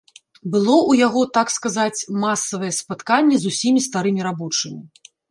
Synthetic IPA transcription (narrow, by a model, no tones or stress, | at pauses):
bɨlˠɔʔujaɣɔt̪akskazat͡sʲmasːɐvɐjɛspat̪kanʲːɛzusʲimʲist̪aɾɨmʲiɾabɔt͡ʂɨmʲḭ